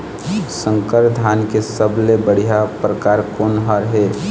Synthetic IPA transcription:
sə̃ŋkəɾd̪ʱaːnkesəblebəɽ̤ijapɾəkaːɾkoːnɦaɾɦeː

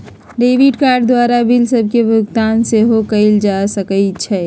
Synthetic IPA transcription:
ɖeːʋiʈkaːɾɖd̪waːɾabʱilsəb̚ʱkebʊkt̪aːnseɦokəɪld͡ʒasəkət͡ʃʰɛ

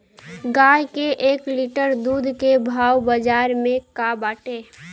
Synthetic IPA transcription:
ɡaːjkeʔeːkliʈəɾd̪uːd̪ʱkebʱaːwbəd͡ʒaːɾmẽkabaːʈeː

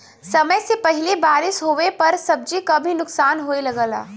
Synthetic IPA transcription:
sɐməjsepɐɦɪlebaːɾɪsɦoːepɐɾsɐb̚d͡ʒikabʱinʊksaːnɦoːelɐɡəːla̰ː

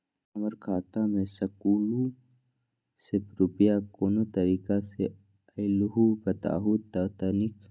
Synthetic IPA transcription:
ɐməɾkʰaːt̪amẽsɐkuːlu | sepɾupijakoːnot̪ɐɾiːkase | ɐɪluɦubɐt̪a̰ːɦut̪at̪anik

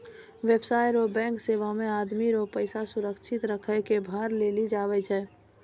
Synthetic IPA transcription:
ʋebsaːjɾobɛ̃ŋkseʋamẽaːd̪miɾopəɪsasuɾəkt͡ʃʰɪt̪ɾəkʰəjkebʱaɾlelid͡ʒaʋɛt͡ʃʰɛː

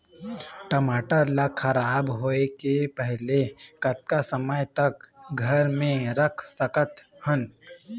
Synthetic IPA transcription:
ʈəmaːʈalakxɐɾaːbɦoːekepɛɦlekɐt̪̚kasəməjt̪ɐkɡʱɐɾmẽɾɐkʰsɐkət̪hən

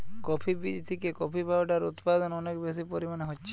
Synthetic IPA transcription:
kɔpʰibid͡ʒt̪ʰikekɔpʰibabʈaɾṵt̪pad̪ɔnɔnekbes̬ipoɾimaneɦotːʃʰe̥

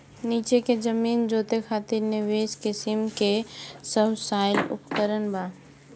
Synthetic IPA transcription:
niːt͡ʃeked͡ʒəmiːnd͡ʒoːt̪ekʰaːt̪ɪɾnɪʋeːskɪsɪmkesəbsaːɪlʊ̰pkəɾənbaː

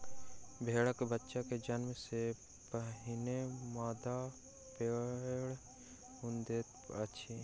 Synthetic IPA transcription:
bʱeːɽəkbətːʃaked͡ʒənmse | pəɦɪnemaːd̪a | peːɽ | ʊnd̪eːt̪ətːʃʰi

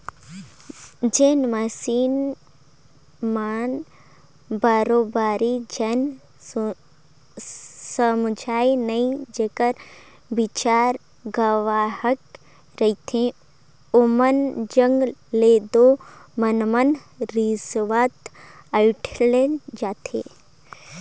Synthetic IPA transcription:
d͡ʒeːnmɐsiːn | maːn | baːɾoːbaːɾid͡ʒen | səmd͡ʒaːinɐĩd͡ʒeːkəɾ | bit͡ʃaːɾ | ɡəʋaːhək | ɾɐit̪ʰẽ | omənd͡ʒəŋɡleːd̪omɐnmən | ɾisʋaːt̪ | əiʈʰled͡ʒaːt̪ʰḛː

